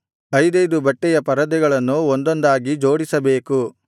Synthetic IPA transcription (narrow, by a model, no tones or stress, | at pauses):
ɐjd̪ɐjd̪ubɐʈːɛjɐpɐɾɐd̪ɛɡɐɭɐnːuond̪ond̪aːɡid͡ʒoːɽisɐbe̞ːku